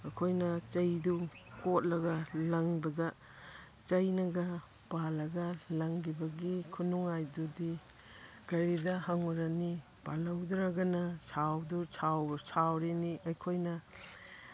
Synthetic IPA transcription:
ɐkʰojnɐt͡ʃɐjdukot̚lɐɡɐlɐŋbɐɡɐ | t͡ʃɐjnɐɡɐ | palɐɡɐlɐŋɡibɐɡikʰunuŋajdudi | ɡ̥ɐɾidɐhaŋuɾani | palɐwdɾaɡɐnɐsʰawdut͡ʃʰawt͡ʃʰawɾeniʔɐjkʰojnɐ

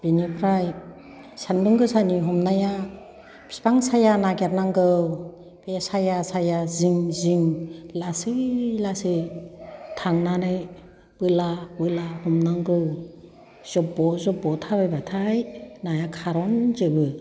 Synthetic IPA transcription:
b̥inipʰɾaj | sanbɯŋɡɯsaniɦɔmnaja | pʰi̥spaŋsajanaɡeɾnaŋɡɯw | pesajasajaziŋziŋlasɯlasɯ | tʰaŋnanɯj | b̥ɯlabɯlahɔmnaŋɡɯw | z̥ɔp̚bɔzɔp̚bɔtʰabajbatʰajnajakʰaɾɔnzɯbɯ

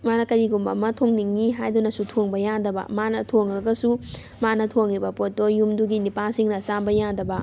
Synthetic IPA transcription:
manɐkɐɾiɡumbɐmɐtʰoŋniŋniɦajdunɐsutʰoŋbɐjandɐbɐ̰manɐtʰoŋɐɡɐsu | manɐtʰoŋibɐpotːojumduɡinipalsiŋnɐt͡ʃabɐjandɐbɐ

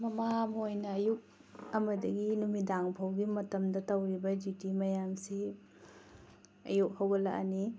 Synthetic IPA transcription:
mɐmamojnɐːjuk̚ | ɐmɐdɐɡinumidaŋpʰɐwɡimɐtɐmdɐtɐwɾibɐdjutimɐjamsi | ɐ̰juk̚hɐwɡɐlaʔɐ̰ni

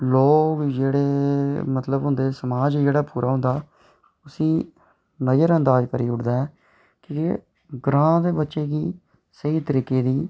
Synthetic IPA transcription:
loːkkd͡ʒeːɽeːmət̪ləbɦʊ̃nd̪eːsəmaːd͡ʒd͡ʒeːɽaːpuːɾʔaːɦʊ̃nd̪aː | ʊsĩː | nəjəɾənd̪aːd͡ʒkəɾiːʊʈd̪aːɛː | kiɪ | ɡɾãːd̪eːbətːʃeːkiː | səiːt̪əɾiːkeːd̪iː

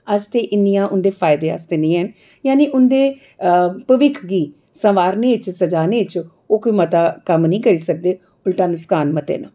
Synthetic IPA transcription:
əst̪eːʔɪnːijãːʔʊnd̪eːpʰaːɪd̪eːə̰st̪eːnĩːən | jaːniːʔʊnd̪eː | pəʋɪkʰɡiː | sə̃ʋaːɾneːɪt͡ʃsəd͡ʒaːneːɪt͡ʃ | oːkoiːmət̪aːkəmnəĩːkəɾiːsək̚d̪eː | ʊlʈaːnəskaːnmət̪ḛːna̰ː

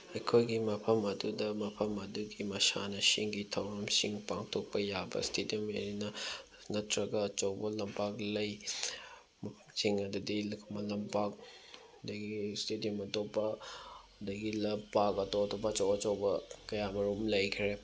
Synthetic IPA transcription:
ekʰojɡimɐpʰɐmɐdudɐmɐpʰɐmɐduɡimɐsa̰nɐsiŋɡitʰɐwɾɐmsiŋpaŋtʰok̚pɐjabɐ̰stʰediomeɾinɐ | nɐtʰɾɐɡɐːt͡ʃɐwbɐlɐmpak̚lɐj | m | siŋɐdudilkʰmɐlɐmpak̚ | dɐɡistediɐmɐtopːɐ | dɐɡilɐpakɐtotopɐːt͡ʃɐwɐt͡ʃɐwbɐkɐjamɐɾumlɐjkʰɾe

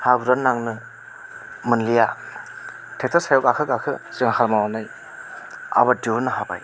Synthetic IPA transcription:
habuɾanːaŋnɯ | mɯnlija | tʰek̚tʰasajɔkakʰɯkakʰɯziŋahʰalmawanaj | a̰baduɾnɯɦaba̰j

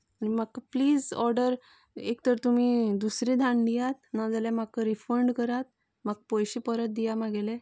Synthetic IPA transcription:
añimakkapliːd͡zɔɾɖəɾ | ekt̪əɾt̪umiːd̪usɾid̪ʱãɳd̪ijat̪̚nad͡zaljamakːəɾifəɾɳɖkəɾat̪̚ | mak̚pɔjɕipəɾət̪̚d̪ijamaɡelẽ

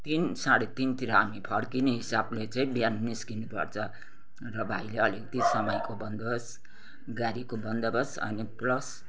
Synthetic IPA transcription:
t̪insaɽet̪int̪iɾʌɦamipʰʌɽkineɦisablet͡sʌĩbjanniskinupʌ̰rt͡sʰʌ | rʌbʱajleʌlekt̪isʌmʌjkobʌnd̪ʌbʌs | ɡaɾikobʌnd̪ʌbʌsʌ̰niplʌs

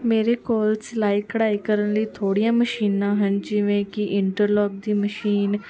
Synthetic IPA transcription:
meːɾeːkoːlt͡ʃlaːiːkəɽaːiːkəɾənləiːt̪ʰoːɽijãːməʃiːnãːɦənd͡ʒɪʋẽːkɪʔɪɳʈəɾlɔːɡ̚d̪iːməʃiːn

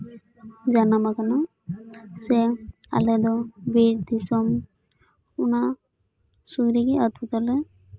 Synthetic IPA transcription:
d͡ʒanamakana | sea̰lɛd̪ɔbiɾd̪isɔm | una | suɡɾikiəd̪̚but̪ɔlɛ

